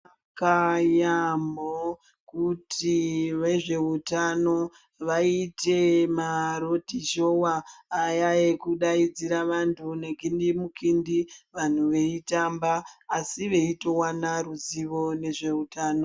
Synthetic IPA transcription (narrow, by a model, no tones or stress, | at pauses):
a | kajamo | kutʰiʋe̞ʐe̞utano̞ | ʋaite̞maɾo̞tiʒo̞waːjaekuɗaid͡ziɾaʋantʰune̞ɡʱindimukindiʋan̤uʋe̞itambaːsiʋe̞ito̞wanaruziʋo̞ne̞ʐe̞utaːno